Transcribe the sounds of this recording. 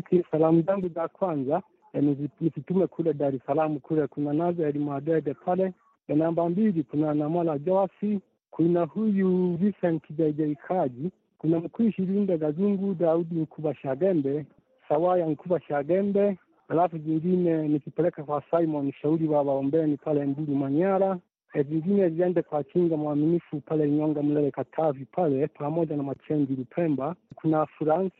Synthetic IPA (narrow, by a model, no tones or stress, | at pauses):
kʰisalamuzaŋɡuzakwanza | ɛnizinisitumɛkʰulɛdaɾɛsalamukulɛkunanazɔjalimwadɛdɛpʰalɛ | janambambilikunanamalad͡ʒɔasi | kʰunahujuvisɛn̩kʰiʄaiʄaikʰaʄi | kunam̩kwiʃiɾindɛɡazuŋɡudaudiŋ̩kʰubaʃaɡɛmbɛ | sawajaŋ̩kubaʃaɡɛmbɛ | alafuziŋɡinɛnikipɛlɛkakwasaimɔniʃauɾiwaβaɔmbɛnipalɛmbuɾumaɲaɾa | viŋɡinɛziɛndɛkwat͡ʃiŋɡamwaminifupalɛɲɔŋɡam̩lɛlɛkatʰavipʰalɛpʰamɔɟanamat͡ʃɛɲd͡ʒiɾupʰɛmbakunafuɾans